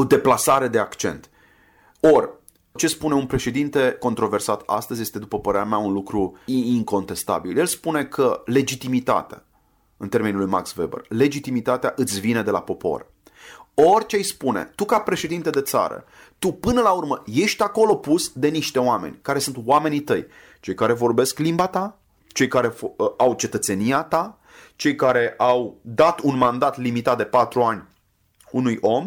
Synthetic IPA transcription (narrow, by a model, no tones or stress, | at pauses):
o̞d̪e̞plasaɾe̞d̪e̞akt͡ʃe̞̰nt̪ | o̞rʲ | t͡ʃe̞spune̞unpɾe̞ʃe̞d̪int̪e̞ko̞nt̪ɾo̞ve̞rsat̪a̰st̪əzʲje̞st̪e̞d̪upəpəɾeɾamaunlukɾuiiŋko̞nt̪e̞st̪a̰bilje̞lspune̞kʰəle̞d͡ʒit̪imit̪a̰t̪ea̰ | ɨnt̪e̞rmenulujma̰ksvḛbə̰rle̞d͡ʒit̪imit̪at̪eaʔɨt̪sʲvine̞d̪e̞la̰po̞po̞̰r | o̞rʲt͡ʃejspune̞̰t̪ukapɾe̞ʃe̞d̪int̪ed̪e̞t̪sa̰ɾə̰ | t̪upɨnəlaurməje̞ʃt̪ʲako̞lo̞pusd̪e̞niʃt̪e̞wame̞̰nʲkaɾe̞sunt̪wame̞nit̪əj | t͡ʃe̞jkaɾe̞vo̞rbe̞sklimbat̪a | t͡ʃe̞jkaɾe̞awt͡ʃe̞t̪ət̪se̞nijat̪a | t͡ʃe̞jkaɾe̞ʔawd̪at̪unmand̪at̪limit̪at̪̚d̪e̞pat̪ɾuanʲ | unujo̞m